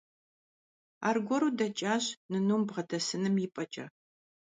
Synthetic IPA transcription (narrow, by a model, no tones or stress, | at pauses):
a̰ːrɡʷɔɾudɐt͡ʃʼaːɕnɨnuːmbʁɐdʰɐsɨnɨmjɪpʼɐt͡ʃʼɐ̰